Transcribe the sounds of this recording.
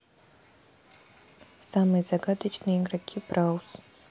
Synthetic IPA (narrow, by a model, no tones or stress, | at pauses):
samɨjzaɡad̪at͡ʃʰnɨiŋraɡʲʰibrawz